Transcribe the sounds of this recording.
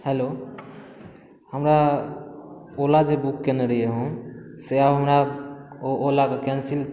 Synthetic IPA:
helo | həmɾa | olad͡ʒebukːeneɾijeɦũseabɦəmɾaoolakekɛnsil

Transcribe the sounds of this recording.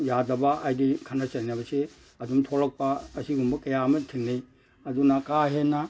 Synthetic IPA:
jadɐbaʔajdikʰanat͡ʃɐnjnabɐse | ɐdumtʰolɐk̚paːsiɡumbɐkɐjamɐtʰinːej | ɐdunakaɦena

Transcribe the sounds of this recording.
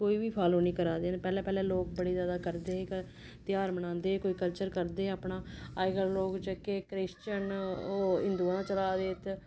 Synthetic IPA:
koːiːʋiːpʰaːloːnĩːkəɾaːd̪eːnepɛːlɛ̃ːpɛːlɛ̃ːloːk̚bəɽeːzjaːd̪aːkəɾd̪eːk | t̪ɪjaːɾmənãːnd̪eːkoːiːkəlt͡ʃəɾkəɾd̪eːaːpɳaːaːɪɡəɾloːkt͡ʃəkeːkɾɪst͡ʃənoːɪnd̪uːãːt͡ʃəlaːd̪eːt̪ʰ

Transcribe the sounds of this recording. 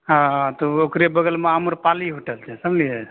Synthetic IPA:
ɦãt̪ɔokɾebəɡəlmeamuɾpaliɦuʈəlt͡ʃʰɛsəmliɛ

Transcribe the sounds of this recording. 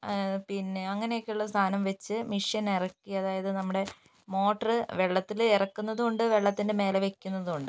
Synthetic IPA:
pinːe̞ɐŋːɐnejokʲːeuɭːɐst̪ʰaːnɐmʋet͡ɕːɨmiʂjɐnirɐkːiɐðaːjɐðɨnɐmːuɽe̞ | mo̞ːʈːɐrɨʋeɭːɐt̪ːilerɐkːunːɐðuuɳɖɨʋe̞ɭːɐt̪ːindeme̞ːlɐʋekʲːunːɐðuuɳɖɨ

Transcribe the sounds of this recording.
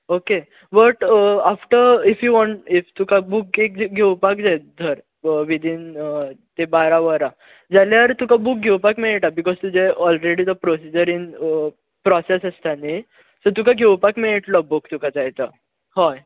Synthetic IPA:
oke | bəʈafʈəɾifjuʋɔ̃ɳʈift̪ukabuk̚ek̚ɡʱewpak̚d͡zajt̪̚d̪ʱəɾ | ʋid̪ʱint̪ebaɾaʋəɾa | d͡zaljaɾt̪ukabuk̚ɡʱewpakmeɭeʈabikɔzt̪ud͡ʑeɔlɾeɽid̪əpɾosid͡ʑəɾin | pɾɔsesəst̪ani | sət̪ukaɡʱewpakmeɭeʈlɔbukt̪ukʰat͡sajt͡sa | hɔj

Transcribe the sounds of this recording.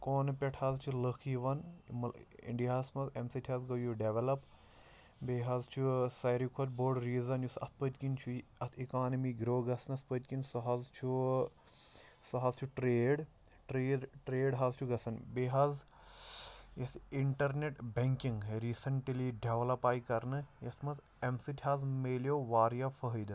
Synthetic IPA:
koːnpʲeʈʰhɐzt͡ʃʰuləkʰiʋɐnmḭɳɖiɦɐːsmɐzemsitʰɐzɡɐjuɖeʋelɐp | beːɦɐzt͡ʃʰusɐjɾikʰot̪boːɾɖɾiːzɐnjusɐ̰t̪ʰpət̪kint͡ʃʰuɐt̪ʰikaːnɐmiɡɾoːɡɐsɐnɐspət̪ʲkinʲsɐɦɐzt͡ʃʰu | sɐɦɐzt͡ʃʰuʈɾeːɽ | ʈɾeːɖʈɾeːɖɦɐzt͡ʃʰuɡɐsɐnbeːɦɐz | jɐsiɳʈɐɾneʈbeŋkiŋɡɾiːsɐɳʈliɖeʋlɐpaːjkɐɾnɨjɐt̪ʰmɐs | emsitʲʰiɐzmeːljoːʋaːɾijafəɦəjd̪ɨ

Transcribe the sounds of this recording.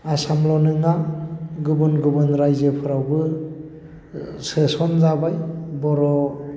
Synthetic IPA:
asamlɔnɯŋaɡubɯnɡubɯnɾajzɯpʰɯɾawbɯ | sɯsɔnzabajbɔɾɔ

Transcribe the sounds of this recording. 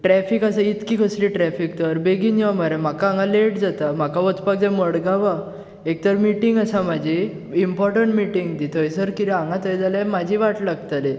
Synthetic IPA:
ʈɾɛfikasait̪kikʰəsliʈɾɛfik̚t̪əɾbeɡiniʋamaɾamakaãŋãleʈd͡zat̪am̤akaʋət͡s̪pak̚d͡zɛ̃məɽɡaʋa | ek̚t̪əɾmiʈiŋɡasamad͡ʑʱi | impɔɾʈəɳʈmiʈiŋɡt̪it̪ʰəjsəɾkit̪iaŋɡãt̪əjd͡zalãmad͡ʑʱiʋaʈlaɡt̪ale

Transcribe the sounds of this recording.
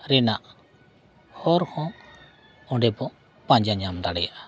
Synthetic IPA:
ɾɛnaʔ | hɔɾhɔ̃ | ɔɖɛbɔʔ | pãɲd͡ʒaɲamd̪aɽɛjaʔa

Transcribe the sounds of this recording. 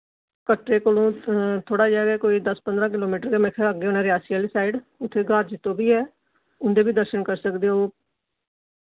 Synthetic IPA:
kəʈɾeːkoːlũːt̪ʰoːɽaːd͡ʒaːɡɛːkoːiːd̪əspənd̪ɾãːk̬ɪloːmiːʈəɾkeːmɛkʰeəɡeːoːnaːɾɪjaːsiəːliːsaːɪɖʊt̪ʰːeːɡaːɾ̚d͡ʒɪt̪ːõːbiːɛː | ʊnd̪eːbiːd̪əɾʃənkəɾsəkd̪eːɦoː

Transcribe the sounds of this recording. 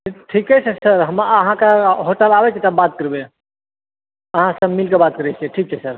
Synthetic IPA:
iʈʰikɦɛt͡ʃʰɛsəɾɦəməɦãkaɦoʈəlabɛt͡ʃʰet̪əbat̪̚kəɾbe | əɦãsəbmːilkebaːt̪̚kəɾɛt͡ʃʰɛʈʰiːk̚t͡ʃʰɛsəɾ

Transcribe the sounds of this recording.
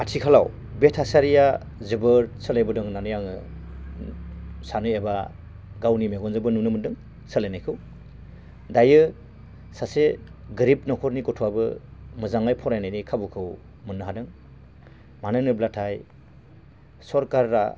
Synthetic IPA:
atʰikʰalaw | betʰasaɾija | zɯbɯɾsəlejbɯdɯŋnanɯjaŋɯ̰ | sanɯjeba | ɡawnimeɡɔnzɯbɯnunɯmɯndɯŋ | səlenajkʰɯw | dajɯ | saseɡɯɾipnɔkʰɔɾnikɔtʰuabɯmɯzaŋajpʰɔɾajnajnikʰabukʰɯw | mɯnːɯɦadɯŋ | manɯnɯblatʰaj | sɔɾkaɾːa̰

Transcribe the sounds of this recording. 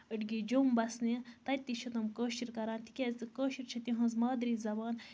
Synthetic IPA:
əʈɡid͡ʒoːmbɐsnet̪ɐt̪ːiʃʰut̪ɐmkoːʃiɾkɐɾaːnt̪i̥kʲezɨkoːʃiɾt͡ʃʰɐt̪iɦɐ̃ːnzmaːd̪ɾizɐbaːn

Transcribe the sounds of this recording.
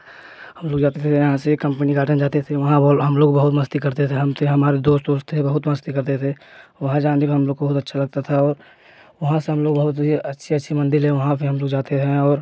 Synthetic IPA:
ɦɐmloːɡd͡ʒaːt̪et̪ʰejɐɦãsekɐ̃mpəniɡaːʈə̃nd͡ʒaːt̪et̪ʰeʋɐɦãɦɐmloːɡbɐɦʊt̪məst̪ikɐɾt̪et̪ʰeɦɐmt̪eɦɐmaːɾed̪oːst̪d̪oːst̪ʰebɐɦʊt̪mɐst̪ikɐɾt̪et̪ʰeʋɐɦãd͡ʒaːnt̪ekiɦɐmloːɡ̚obɐɦʊt̪ətːʃʰalɐɡ̚t̪at̪ʰaɔːɾ | ʋɐɦãseɦɐmloːɡbɐɦʊt̪ɦiɐtːʃʰiɐtːʃʰimɐ̃nd̪ɪlɦɛʋɐɦãpʰɪɦɐmloːɡd͡ʒaːt̪eɛ̃ɔːɾ

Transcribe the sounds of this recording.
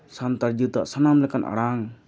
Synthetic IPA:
sant̪aɾd͡ʒut̪aʔsanamlɛkanʔa̰ɽaŋ

